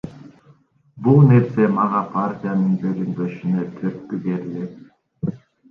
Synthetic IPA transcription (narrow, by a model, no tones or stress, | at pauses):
bulˠne̞ɾse̞mɑʁɑpʰaɾtʲijanɯnd̪øɡynb̪øʃynøt̪ʰøt̪̚kybeɾilet̪̚